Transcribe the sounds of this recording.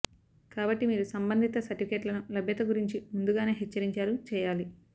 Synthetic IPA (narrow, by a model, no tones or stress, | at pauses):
kaːbɐʈːimiːɾusɐmbɐnd̪ʱit̪ɐsɐʈːifʰikeːʈlɐnulɐbʱjɐt̪ɐɡuɾiɲt͡ʃimund̪uɡaːneːɦɛt͡ʃːɐɾiɲt͡ʃaːɾut͡ʃɛːjaːli